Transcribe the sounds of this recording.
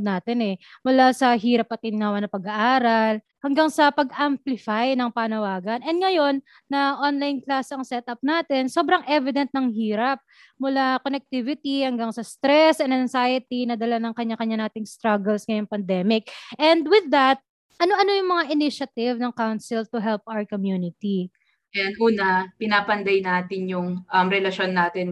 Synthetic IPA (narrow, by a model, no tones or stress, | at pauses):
naːt̪ɛnɛmʊlasɐɦiːɾɐp̚ɐt̪ɪnɪnaːwɐnɐpɐɡɐʔaːɾɐl | hɐŋɡaŋsɐpɐɡʔamplɪfajnɐŋpaːnɐwaːɡɐnʔɛnd̪̚ŋɐjo̞nː | ɐʔonlajnklasɐŋsɛt̪ɐp̚naːt̪ɛnso̞ːbɾɐŋʔɛvɪd̪ɛnt̪̚nɐŋhiːɾɐp̚ | mʊlakonɛk̚t̪ivɪt̪ihɐŋɡaŋsɐst̪ɾɛsʔɛnd̪ɐŋsajɐt̪inɐd̪ɐlanɐŋkɐɲːakɐɲanaːt̪ɪŋst̪ɾaɡɛlsŋɐjʊŋpɐnd̪ɛmɪk̚ʔɛnd̪wɪðːɐt̪̚ | ʔɐnoʔɐno̞jʊŋmɐŋaʔɪnɪʃɐt̪ɪvnɐŋkawnsɪlt̪ʊɦɛlp̚ʔawɛɹkomjuːnɪt̪i | ʔɛnd̪ʔuːnɐpɪnaːpɐnd̪ajnaːt̪ɪnjʊŋʔɐmɾɛlɐʃo̞nːaːt̪ɪn